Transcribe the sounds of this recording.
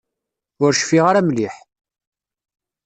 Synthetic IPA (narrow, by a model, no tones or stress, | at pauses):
ʊɾʃfiʁaɾæmliħ